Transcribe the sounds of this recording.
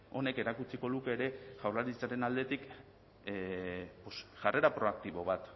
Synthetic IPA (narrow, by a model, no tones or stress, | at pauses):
o̞ne̞ke̞ɾakut͡siko̞ðuke̞ːɾe̞ʝawɾlaɾit͡saɾe̞nald̪e̞t̪ik | posʝare̞ɾapɾo̞ak̚t̪iβo̞βat̪